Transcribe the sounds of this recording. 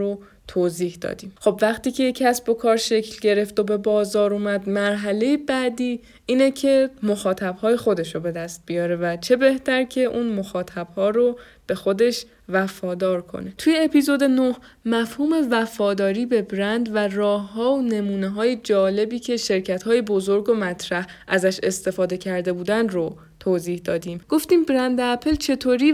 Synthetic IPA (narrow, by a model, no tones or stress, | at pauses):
o | t̪ʰoːziːhd̪ɒ̰ːd̪iːmxo̞bvæχt̪iːcʰe̞cʰæsbo̞kʰɒːɾʃe̞cʰlɟe̞ɾe̞ft̪obe̞bɒːzɒːɾuːmæd̪mæɾɦæle̞jebæːd̪iː | iːnecʰe̞moxɒːt̪ʰæbhɒːje̞xo̞d̪e̞ʃobe̞d̪æst̪̚bijɒːɾe̞væt͡ʃʰe̞be̞ht̪ʰæɾcʰe̞ʔunmo̞xɒːt̪ʰæb̥hɒːɾo | b̥e̞xo̞d̪e̞ʃ | væfɒːd̪ɒːɾkʰo̰ne̞t̪ʰuje̞ːpiːzo̞d̪enoh | mæfhuːme̞væfɒːd̪ɒːɾiːbe̞bɾænd̪værɒːhːɒːone̞muːne̞ɦɒːjed͡ʒɒːle̞biːcʰe̞ʃe̞ɾcʰæt̪hɒːjebo̞zo̞ɾɡomæt̪ʰɾæh | ʔæzæʃe̞st̪e̞fɒːd̪e̞cʰæɾd̪e̞buːd̪ænd̪ɾo | t̪ʰoːziːhd̪ɒːd̪iːmɡ̥o̞ft̪iːmbɾænd̪æpʰelt͡ʃʰe̞t̪ʰoːɾiː